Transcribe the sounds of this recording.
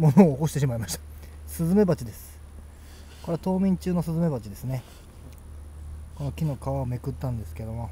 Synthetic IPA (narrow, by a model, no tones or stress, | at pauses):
monoːko̞ɕit̪e̞ɕ̬imaimaɕi̥t̪ḁsɨzɨme̞bat͡ɕid̪e̞sɨ̥ | ko̞ɾe̞at̪o̞ːmʲĩɲt͡ɕɨːno̞sɨzɨme̞bat͡ɕid̪e̞sɨne̞ | kono̞kʲino̞kaβaome̞kɯ̟t̪ːãnd̪e̞sɨ̥ke̞d̪o̞mo